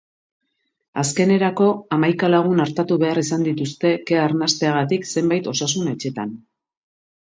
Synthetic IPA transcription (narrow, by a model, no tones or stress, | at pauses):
as̬ke̞ne̞ɾako̞amajkalaɣ̞unaɾt̪at̪uβe̞arisand̪it̪ust̪e̞keaɾnast̪e̞aɣ̞at̪ikse̞mbajt̪o̞sasune̞t͡ʃe̞t̪a̰n